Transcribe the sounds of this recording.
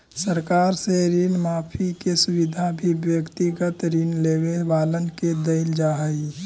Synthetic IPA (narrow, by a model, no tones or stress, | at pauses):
səɾkaːɾseɾinmaːpʰikesʊwɪd̪ʱabʱibjəkt̪iɡət̪ɾinleːwebaːlənked̪əɪld͡ʒaːɦəi